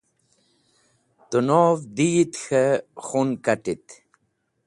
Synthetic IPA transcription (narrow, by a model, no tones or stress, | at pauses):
t̪unovd̪it̪xəxunkaʈit̪